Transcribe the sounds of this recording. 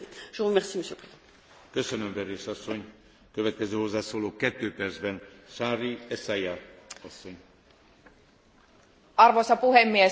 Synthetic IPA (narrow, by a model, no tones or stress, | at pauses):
ʒ̥əʁəmɛʁsiməsjøːpχeo | køsønømvɛɾeːʃɒsːo̞ɲ | køvɛt̪̚kɛzøːho̞zːaːsoːloːkɛt̪ːøːpɛrd̪zbɛnʃaːriɛsajaɒsːo̞ɲ | ɑrʋosɑpuɦemːie